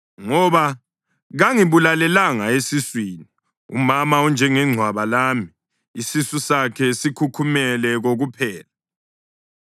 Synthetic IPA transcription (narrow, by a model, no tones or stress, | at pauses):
ŋɔβa | ɣaŋiβulalɛlaŋaesiswiːni | ṵmamaɔnd͡ʒʱɛŋɛŋ͡ǀʱwaβalaːmiː | sisusakʰɛsikʰukʰumɛlɛɣoɣupʰɛːla